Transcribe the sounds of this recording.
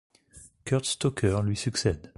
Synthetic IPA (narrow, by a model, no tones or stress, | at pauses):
kʲœʁt̪st̪ɔkʰʲœʁlɥisyksɛd̪